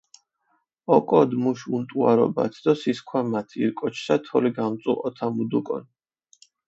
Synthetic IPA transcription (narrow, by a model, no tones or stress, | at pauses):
ɔkʼɔd̪muʃunt̪ʼuaɾɔ̰ba̰t̪ʰd̪ɔsiskʰwamat̪ʰiɾkʼɔt͡ʃʰsat̪ʰɔliɡamt̪sʼṵʔʼɔt̪ʰamud̪ukʼɔ̰n